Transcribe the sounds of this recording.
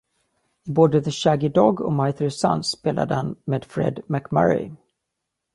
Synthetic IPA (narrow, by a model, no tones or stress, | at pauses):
ɪboːd̪əðəɕaɡɪd̪ɔɡɔ̰majt̪ʰːsa̰nsːpeːla̰d̪əhanmeːd̪fɾɛ̰d̪mækma̰ɾɪ̰